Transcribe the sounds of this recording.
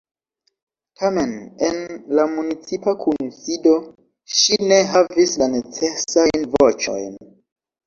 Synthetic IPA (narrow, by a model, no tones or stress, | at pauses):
tʰame̞nenlamunit͡sipakʰunsido̞ | ʃine̞ɦavislane̞t͡se̞sajnvot͡ʃo̰jn